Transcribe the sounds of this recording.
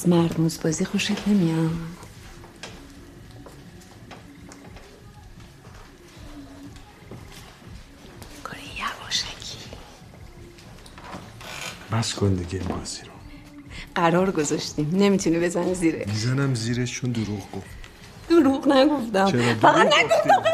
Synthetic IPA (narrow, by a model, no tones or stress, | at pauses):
zmæɾmuzbɒːzixoʃid̪ne̞mijɒnd̥̪ | kʰoɾejævɒʃæ̥kʰi̥ | bæskʰond̪iɡemɒ̰z̥iɾo | ɢæɾɒːɾɡozɒʃt̪imne̞mit̪ʰunibe̞zæniziːɾḛmizænæmziɾet̪t͡ʃʰond̪uɾuʁɡoft̪ | d̪̥uɾuɣnæɡo̞ft̪æmt͡ʃʰeɾɔd̪fæɣæd̪næɡoo